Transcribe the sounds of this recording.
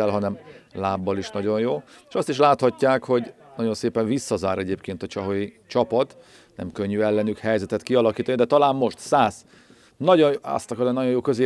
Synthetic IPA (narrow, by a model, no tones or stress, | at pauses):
ɛlɦɒnɛmlaːbːɒliʃnɒɟo̞jjoːeʃɒst̪iʃlaːt̪hɒcːaːkho̞ɟ | nɒɟo̞nseːpɛɱvisːɒzaːɾɛɟeːpkeːnt̪ɒt͡ʃɒɦojit͡ʃɒpɒt̪ | nɛ̰mkøɲːyɛlːɛnykhɛjzɛt̪ɛt̪kiɒlɒkiːt̪ɒnid̪ɛt̪ɒlaːmmo̞ʃt̪saːz | nɒɟoɒ̰st̪ɒkɒɾɛnɒɟjo̞joːkøzeː